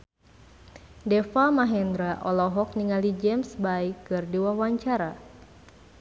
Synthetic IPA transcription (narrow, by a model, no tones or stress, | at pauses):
dɛfamaɦɛnd̪ɾaʔɔlɔɦɔk̚niŋalid͡ʒɛmsbaikːɨrdiwawaɲt͡ʃaɾa